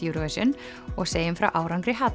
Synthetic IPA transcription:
juɾvœsʏn | ɔɣseːjɪnfɾa̰wʔaːwɾawŋkɾɪɦaːt̪

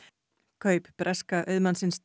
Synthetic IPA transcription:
kʰœɥpb̥ɾʔɛskaʔœɥðmansɪns

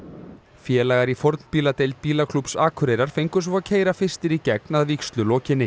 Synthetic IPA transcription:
fjɛːlajɣaɾifɔɾt̪n̥piːlat̪ejlt̪̚piːlakʰlupsaːkʰʏɾejɾaɾ̥fejŋkʏ̥svacʰeːjɾafɪr̥st̪ɪɾicɛk̚naðvikst̪lʏlɔːcɪnːɪ

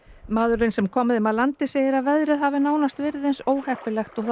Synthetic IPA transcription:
maːðʏɾɪnsɛmkʰɔːmɪðʏmaðlant̪ɪseːjɪɾaðvɛðɾɪðɦavɪnaːwnast̪vɛːɾɪðejnsoːwhɛhpɪlɛxt̪ɔθ

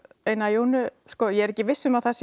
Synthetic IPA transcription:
ejnajoːwnʏskɔːjɛɛɾɛcːɪvɪsːʏmawθɛs

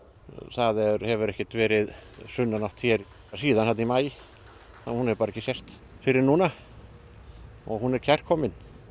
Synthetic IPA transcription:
θaðɛɾhɛvʏɾɛhcɪt̪vɛːɾɪðsʏnːanɔwht̪çɛɾ | siːðanhalt̪nimaːjɪ | ahunhɛvɾpaːɾɛcːɪsɛst̪ | fɪɾɪɾnuːna | ɔ̰ɣhunɛɾcʰɛr̥kʰɔmɪn

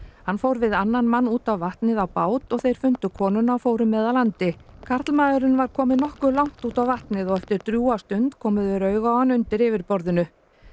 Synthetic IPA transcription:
hanfowɾvɪðanːanmanːuːt̪awvaht̪nɪðawpaːwt̪ɔɣθejɾ̥fʏnt̪ʏkʰɔːnʏnawfoːwɾʏmːɛːðalant̪ɪkʰaɾ̥t̪lmaːðʏɾʏnvaɾkʰɔːmɪnɔhkʏlawŋ̥t̪uːt̪awvaht̪nɪðɔɣɛft̪ɪɾ̥t̪ɾjuːast̪ʏnt̪kʰɔːmɪðvɪɾœɥɣawhanːʏnt̪ɪɾɪvɪɾpɔɾðɪnʏ

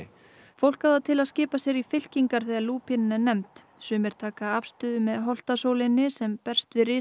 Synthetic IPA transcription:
fowl̥kawðat̪ʰɪlaðscɪːpasjɛɾifɪl̥ciŋkaɾ̥θɛːɣaɾluːpʰɪnɪnanɛmt̪ | sʏːmɪɾ̥t̪ʰaːkaafst̪ʏːðʏmɛðɦɔl̥t̪asoːwlɪnːɪsɛmpɛr̥st̪vɪrɪː

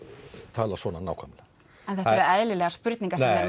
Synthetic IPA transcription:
t̪ʰaːlasvɔːnana̰ːwkʰamla | ɛnθɛhɛɾɛðlɪlɛːɣaspʏɾt̪niŋkasɛɛ

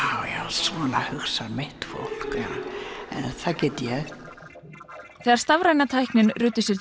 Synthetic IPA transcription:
awjasvɔːnahʏxsamɪht̪fo̰wl̥ka̰ɛ̰nθacɛːt̪jɛɣ | θɛːðaɾ̥st̪avɾajnat̪ʰajhknɪnrʏːt̪ːɪsjɛɾ

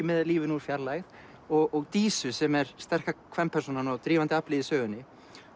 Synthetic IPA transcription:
ɪmɛðaliːvɪnuːɾ̥fjaɾlaɣð | ɔɣɔɣt̪iːsʏsɛmɛɾst̪ɛr̥kakʰvɛnpʰɛɾ̥suːnanɔwt̪ɾiːvant̪ɪaplɪðɪsœːɣʏnːɪ

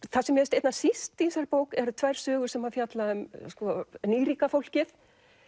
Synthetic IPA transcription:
θasɛmjɛɛst̪ejt̪nasist̪insaɾpoːwkɛɾt̪ʰvajɾ̥sœːɣʏɾsɛmhafjat̪laʏmskvɔniːɾiːkafowl̥cɪθ

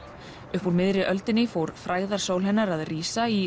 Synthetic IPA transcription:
ʏhpuwlmɪðɾɪʔœlt̪ɪnːɪfowɾfɾaːjðaɾ̥soːwlɦɛnːaɾaðriːsai

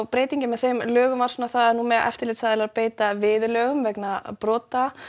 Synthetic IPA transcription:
wpɾeːjt̪iɲcɪmɛðθejmlœːɣʏmvaɾ̥sɔnaθaðaðnumɛðʔɛ̰ft̪ɪɾlɪːt̪sθaðɪlaðpeːjt̪avɪːðʏlœɣʏmvɛknapɾɔːt̪a

